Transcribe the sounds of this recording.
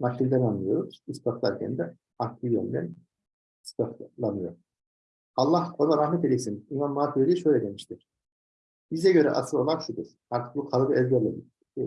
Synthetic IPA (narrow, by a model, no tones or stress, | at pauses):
matʲːilʲd̪ænanːɯjo̞ɾuz̥ispʰat̪lˠa̰ɾcʰɛ̰nd̪ɛ | akt̪ʰːivɛ̰nd̪ɛn | st̪ʰaflˠanɯjo̞ɾ | ɑlˠːahonaɾahmɛt̪elʲɛsinimanmaːt̪ʰileiʃøjlʲɛd̪e̞miʃt̪ʰiɾ̥ | b̥izɛɟø̞ɾɛ̰ʔa̰sɯlˠo̞̰lˠaɾʃud̪uɾ̥haɾt̪ʰɯ̥k̚bukʰalˠɡɯɛzɟæɾlʲɛ